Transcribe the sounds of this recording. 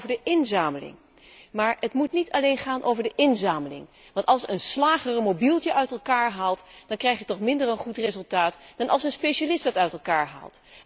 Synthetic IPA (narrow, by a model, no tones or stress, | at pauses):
vəɹdəʔɪnzaːməlɪ̰ŋ | maːɹətmutnitʰɑlejnχaːnʔowvəɹdəʔɪnzaːməlɪ̰ŋ | ʋɑntɑlˠsənslaːχərmowbilˠtjəʔœɥtɛlˠkaːɹɦaːlˠtd̥ɑnkrɛjχjətɔχmɪndərənχutrezɵlˠtaːtd̥ɑnʔɑ̰lˠsənspejʃalɪsdɑtœɥtɛlˠkaːɹɦa̰ːlˠt